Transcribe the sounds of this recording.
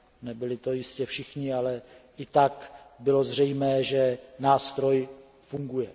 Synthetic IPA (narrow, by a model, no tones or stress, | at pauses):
nɛbɪlɪt̪o̞jɪscɛfʃɪxɲɪalɛ | ɪt̪akbɪlo̞zr̝ɛjmɛːʒɛnaːst̪ɾo̞j | fuŋɡujɛ